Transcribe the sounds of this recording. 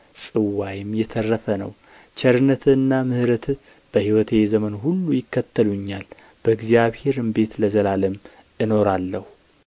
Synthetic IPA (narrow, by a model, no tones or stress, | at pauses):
sʼɨwajɪmjɛt̪ʰərːəfənə̰w | t͡ʃʰɛɾɨnːət̪ʰɨnːamɨhɾət̪ʰ | b̥əhiwɔt̪ʰezəmənɦulːujɪkːət̪ʰːəluɲːal | b̥əɡzijaβhe̞ɾɨmbe̞t̪ləzəlaləm | ʔɨno̞ɾalːəhu